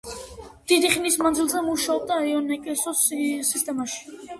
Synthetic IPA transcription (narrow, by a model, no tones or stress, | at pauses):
d̪̥id̪iχnismand̪zilˠzɛmuʃaɔb̚d̪aiɔnɛkʼɛsɔssist̪ʼɛmaʃi̥